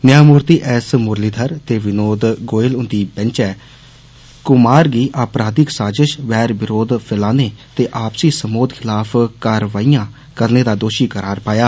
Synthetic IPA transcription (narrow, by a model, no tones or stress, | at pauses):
nɪjaːmuːɾt̪iːʔɛːsmʊɾliːd̪ʰʱəɾt̪eːʋɪnoːd̪ɡoːɪlʊnd̪iːbɛ̃nt͡ʃɛː | kʊmaːɾɡiːʔaːpɾaːd̪ɪksaːd͡ʒəʃʋɛːɾʋɪɾoːd̪pʰɪlaːneːt̪eːʔaːpsiːsəmoːd̪kʰɪlaːpʰkaːɾʋaːiːjãː | kəɾneːd̪aːd̪oːʃiːkəɾaːɾpaːjaː